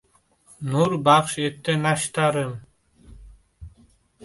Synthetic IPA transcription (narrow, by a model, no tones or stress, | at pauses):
nuɾbɑχʃek̚t̪enɑʃt̪ɑɾɯm